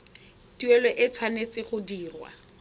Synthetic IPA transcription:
tiɛlɔʔɪt͡sʰwanet͡sɪχʊdiːrwa̰

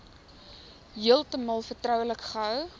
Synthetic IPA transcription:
ɦiəlˠtəmɐlˠfərtrœwləkχəɦœw

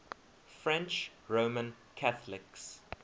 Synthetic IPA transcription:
fɹɛ̃nt͡ʃ | ɹoʊmə̃n | kʰaθəlɪks

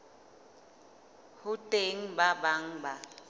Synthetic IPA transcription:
hʊtʼeŋ̩babaŋ̩ba

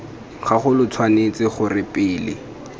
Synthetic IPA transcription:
χaχʊlʊt͡sʰwanet͡sɪχʊrɪpʼɪːlɪ̰

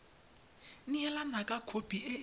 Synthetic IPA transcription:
n̩ɛlanakʼakʰopʼiʔe

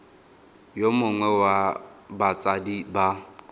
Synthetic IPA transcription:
jomʊŋwɛwabat͡sʼadiba

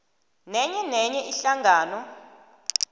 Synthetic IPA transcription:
nɛɲɛnɛɲɛʔiɬaŋʱaːnɔ

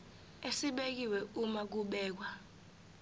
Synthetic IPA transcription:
esiɓek̬iwɛumak̬uɓɛːk̬wa

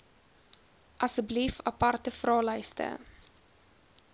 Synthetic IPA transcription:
ʔɐsəblifɐpɐrtəfrɑːləjstə̰

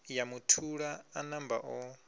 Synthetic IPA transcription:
jamutʰuɺaːnamba̰ʔɔ

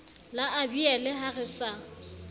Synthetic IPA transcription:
laʔabiɛlɛɦaɣɪsa

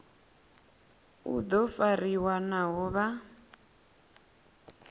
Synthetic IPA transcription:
ṵd̪ɔfariwanaɦɔβa

